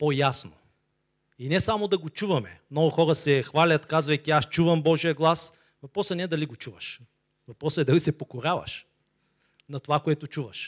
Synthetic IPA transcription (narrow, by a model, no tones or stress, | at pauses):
pojasno̰ | inɛsamod̪ɐɡot͡ʃuvɐmɛmnɔɡʊxɔɾɐsɛxvalʲɐt̪kazvɐjkʲiast͡ʃuvɐmbɔʒiəɡlˠas | vɐpɾɔsɐnɛd̪ɐliɡot͡ʃuvɐʃ | vɐpɾɔsəɛd̪ɐlisɛpokoɾʲavɐ̰ʃ | nɐt̪ovakoɛt̪ot͡ʃuvɐʃ